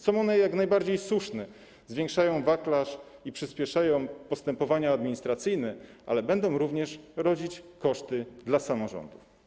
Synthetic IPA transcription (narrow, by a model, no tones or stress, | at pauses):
sɔ̃w̃ɔnɛjaknajbaɾd͡ʑejswuʂnɛ | zvʲjɛ̃ŋkʂajɔ̃w̃vaklaʂipʂɘspʲjɛʂajɔ̃w̃pɔst̪ɛmpɔvaɲaːd̪mʲiɲist̪ɾat̪sɘjnɛʔa̰lɛbɛnd̪ɔ̃w̃ɾuvɲɛʂɾɔd͡ʑit͡ɕkɔʂt̪ɘd̪lasamɔʐɔ̰nd̪uf